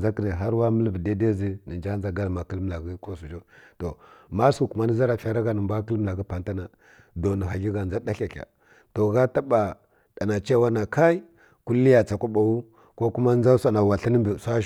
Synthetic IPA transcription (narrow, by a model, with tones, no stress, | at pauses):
za˦ki˨ne˨ɦa˦ɾwa˦mə˦lvə˨de˦de˦zi˦nə˨nd͡ʒa˦n˦za˨ɡa˦lma˨ki˦lm˦la˨ɡi˦ko˦su˨d͡ʒo˦to˨ma˦su˦˨ku˨ma˦nə˦za˦ɾa˨fa˨ɾa˦ɡa˨˦nə˨mba˦kə˦lm˦la˨ɡi˦pa˨nta˦na˨ | do˨ni˨ɦa˨ɡi˦ɡa˨nd͡za˦da˦ɬa˨ɬʲa̰˨ | to˨ɣa˦ta˦ba˨ | ɗ̥a˨na˨t͡ʃe˦wa˦na˨ka˦i˦ | ku˦li˦ja˨t͡sa˨kʷu˦ɓa˨wu˦ | ko˦ku˦ma˦n˦za˦sa˦na˨wa˨ɬi˦nə˦mbə˨sa˦